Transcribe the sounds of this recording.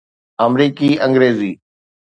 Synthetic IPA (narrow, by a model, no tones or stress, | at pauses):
əmɾiːkiːə̃ŋɡɾeːziː